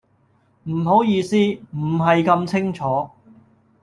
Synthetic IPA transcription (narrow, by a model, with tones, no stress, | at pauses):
m̩˨˩ɦo˨˥wjiː˧siː˥m̩˨˩ɦɐ˨jkɐ˧mt͡sʰɪ˥ŋt͡sʰɔː˨˥